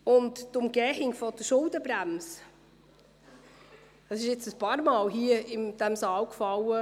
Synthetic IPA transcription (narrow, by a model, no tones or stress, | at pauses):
ʊnttʊmɡ̥ɛːhɪŋfɔd̥əʃʊldəbɾæms | d̥ɑsɪʃɪt͡səspɑːɾmɑːlɦiəɪmd̥ɛmsɑːwkfɑlə